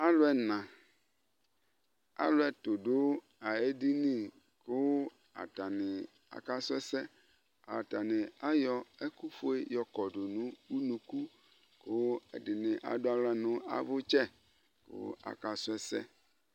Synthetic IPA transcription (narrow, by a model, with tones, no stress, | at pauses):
a˦lʊ˦ɛ˨nã˨ | a̰˦lʊ˦ɛ˨t̪o˨dʊ˦ | a˨e˦di˦nĩ˦ | kʊ˦ | a̰˨ta˨nɪ̃˨ | a̰˨ka˦sʊ˦ɛ˦sɛ˦ | a̰˨ta˨nɪ̃˨a˦jɔ˦ɛ˦ku˦fo˦e˦jɔ˨kɔ˨dʊ˨nũ˨˦wu˦nũ˨ku˦ | kʊ˦ɛ̰˨dɪ˨nɪ̃˨ʔa̰˨dʊ˦a˨lʊ˦a˦nʊ̃˦a̰˨vʊ˦t͡ʃɛ˦ | kʊ̰˦a̰˨ka˦sʊ˦ɛ˦sɛ̰˦